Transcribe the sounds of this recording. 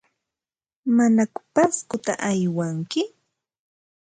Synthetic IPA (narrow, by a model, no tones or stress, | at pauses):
manakʊ̥paskʊt̪aʔajwaŋkɪ